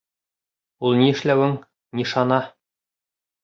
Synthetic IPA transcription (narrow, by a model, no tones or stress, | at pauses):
ulˠniɘ̆ʃlæwɘŋ | niʃɑnɑ